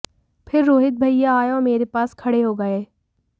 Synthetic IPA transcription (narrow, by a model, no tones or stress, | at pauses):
pʰɪɾːoːɦɪt̪̚bʱɐijaaːjõːmeːɾepaːskʰɐɽeɦoɡɐeː